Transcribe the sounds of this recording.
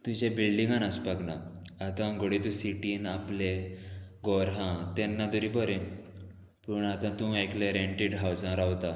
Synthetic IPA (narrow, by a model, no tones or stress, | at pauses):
t̪ũd͡ʑẽbilɖĩŋɡanaspaɡna | at̪ãɡoɽet̪ũsiʈiːnapleɡɔɾɦãt̪ɛnːad̪uɾibɔɾẽ | pəɳat̪ãt̪ũakleɾeɳʈiɖɦawd͡zãɾawt̪a